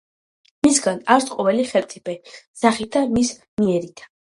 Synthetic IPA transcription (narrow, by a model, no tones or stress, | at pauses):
misɡanaɾsqʼɔvɛliχɛlpt̪sʼipʰʼɛsaχit̪ʰamis | miɛɾit̪ʰḁ